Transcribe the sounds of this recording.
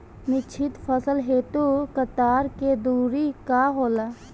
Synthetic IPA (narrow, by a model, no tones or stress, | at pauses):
nɪt͡ʃʰɪt̪pʰəsəlɦeːt̪ukət̪aːɾked̪uːɾikaɦoːlaː